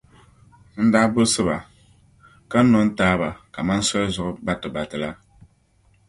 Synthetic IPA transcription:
n̩˦daː˦bʊ˦sɨ˦ba˨ | ka˦n̩˦nɔ˦n̩˦taː˦ba˨ka˨ma˦n˦sɔ˦lzʊ˨ʔʊ˦ba˦tɨ˨ba˨tɨ˨la˦

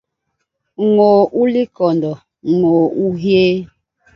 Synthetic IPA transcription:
ŋo˨ʔu˦li˦kɔ˨ndɔ˨ | ŋoː˨u˦ɦje˦

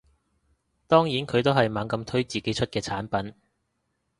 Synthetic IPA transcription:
t̪ɔː˥ŋjiː˨˥nkʰɵ˨˧ɥt̪o˥wɦɐ˨jmaː˨˥ŋkɐ˧mt̪ʰɵ˥ɥt͡siː˨˩ke˨˥jt͡ʃʰɵ˥t̚kɛː˧t͡sʰaː˨˥npɐ˨˥n

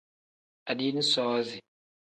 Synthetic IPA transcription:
a˨di˦ni˦sɔː˦zi˨

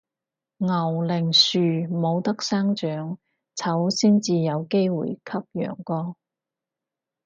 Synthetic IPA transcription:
ŋɐ˨˩wlɪ˨˩ŋsyː˨mo˨˧wt̪ɐ˥k̚saː˥ŋt͡ʃœː˨˥ŋ | t͡sʰɐ˨˥wsiː˥nt͡siː˨jɐ˨˧wke˥jwṵː˨˩jkʰɐ˥p̚jœ̰ː˨˩ŋkɔː˧

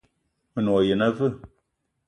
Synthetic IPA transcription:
mə˨nɔ˨je˨na˦vɨ˦˨

